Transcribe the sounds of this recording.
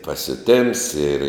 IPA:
pɐsʲʊˈtʲeːms ɪr

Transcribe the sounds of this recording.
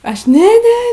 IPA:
ˈɐʃ ˈnʲɛ ˈnʲɛ

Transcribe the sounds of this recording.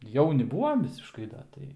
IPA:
ˈjɛʊnʲɪ ˈbuːʋɐm ˈʋʲɪsʲɪʃkɐɪ ˈdɐ ˈtɐɪ

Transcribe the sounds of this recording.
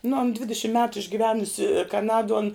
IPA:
nʊ ɐn ˈdʲʋʲɪdʲɪʃʲɪm mʲɛtʊ ɪʒʲɡʲɪˈʋʲæːnʊsʲɪ kɐˈnɑːduɔ ɐn

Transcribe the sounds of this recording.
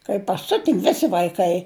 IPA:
kɐɪ pɐˈsʲʊtʲɪ ˈʋʲɪsʲɪ ʋɐɪˈkɐɪ

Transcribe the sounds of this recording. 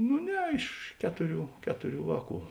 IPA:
nʊ ˈnʲɛ ɪʃ ˈkʲæːtʊˌrʲuː ˈkʲæːtʊˌrʲuː ˈʋɑːˌkuː

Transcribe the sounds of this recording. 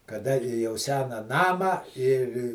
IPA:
kɐˈdɐ jɛʊ ˈsʲæːnɐ ˈnɑːmɑː ɪr

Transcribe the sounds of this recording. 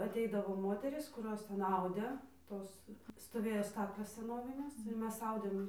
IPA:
ɐˈtʲɛɪdɐʋoː ˈmoːtʲɛrʲiːs kʊˈroːs ˈtʲɛn ˈɐʊdʲeː ˈtoːs stoːˈʋʲeːjoː ˈstɑːklʲeːs sʲɛˈnoːʋʲɪnʲeːs ɪr ˈmʲɛs ˈɐʊdʲeːm

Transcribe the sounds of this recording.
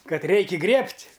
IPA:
ˈkɐt ˈrʲɛɪkʲɪ ˈɡrʲiɛpʲtʲ

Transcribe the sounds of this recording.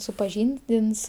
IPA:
sʊpɐˈʒʲiːnʲdʲɪns

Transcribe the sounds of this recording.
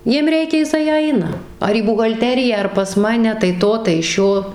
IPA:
ˈjiɛm ˈrʲɛɪkʲɛ jɪˈsɐɪ ˈɐɪnɐ ɐr iː bʊɣɐlʲˈtʲæːrʲɪjæː ɐr pɐs ˈmɑːnʲɛ tɐɪ ˈtoː tɐɪ ˈʃʲoː

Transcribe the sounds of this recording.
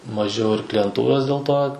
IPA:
mɐˈʒʲɛʊ ɪr klʲɪjɛnˈtuːroːs dʲeːlˠ ˈtoː

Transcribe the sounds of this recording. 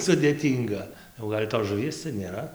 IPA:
sʊdʲeːˈtʲiːŋɡɐ jɛʊ ˈɡɐlʲ toːs ʒʊˈʋʲiɛs t͡sʲɛ nʲeːˈrɐ

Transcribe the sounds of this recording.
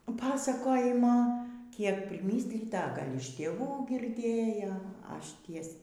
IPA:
ˈpɑːsɐkoːjɪmoː ˈkʲiɛk pʲrʲɪˈmʲiːsʲlʲiːtɐ ɐ ˈɡɐlʲ ɪʃ tʲeːˈʋuː ɡʲɪrʲˈdʲeːjoː ˈɐʃ ˈtʲiɛs

